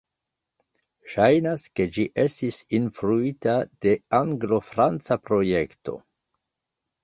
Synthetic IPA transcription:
ʃajnaske̞d͡ʒiʔe̞stisinfɾuitad̥e̞aŋɡlo̞fɾant͡sapɾo̞je̞kto̞̰

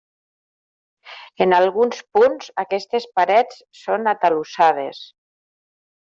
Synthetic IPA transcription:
enalˠɣunspunzakɛst̪espaɾɛt͡s | sːonat̪alusað̞es

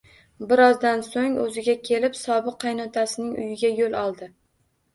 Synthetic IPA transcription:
bɪɾɒzd̪ansoŋɵ̰zɪɡʲakʲʰe̞lɪpsɒbɨqʰːɑjnɒt̪ʰasɪnɪŋʊjɪɡʲajolˠɒlˠd̪ɪ

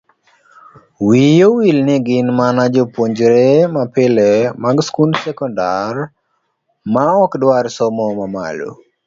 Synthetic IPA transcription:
wijowilnɪɡɪnmanad͡ʒopwoɲd͡ʒɾemapɪlɛmaɡskundsɛkɔndar | maɔkdwarsɔmɔmama̰lo̰

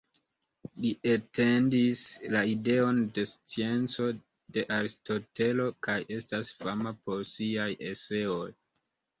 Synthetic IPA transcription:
liʔete̞ndislaide̞o̞nde̞st͡sie̞nt͡so̞ | de̞ʔaɾisto̞te̞lo̞kajʔe̞stasfamapo̞ɾsiajʔese̞o̞j

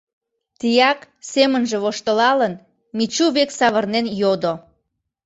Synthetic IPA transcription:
t̪ijɑk | semənʒĕβoʃt̪əlɑlən | mit͡ɕuβeksɑβərnenjod̪o

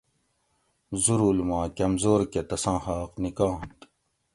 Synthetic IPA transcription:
zuɾuːlmɑ̃ːkɐmzoːɾket̪ɐsɑ̃ːhaːqnikɑ̃ːnt̪

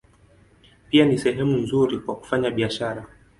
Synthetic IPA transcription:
pianisɛɦɛmun̩zuɾikwaku̥faɲaɓiaʃaɾa

